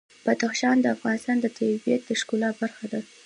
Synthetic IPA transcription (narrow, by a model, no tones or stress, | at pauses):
b̥ad̪axʃɑnd̪əafɣɑnɪst̪ɑnd̪ət̪ʰajibijat̪̚d̪əʃkulɑbaɾxad̪a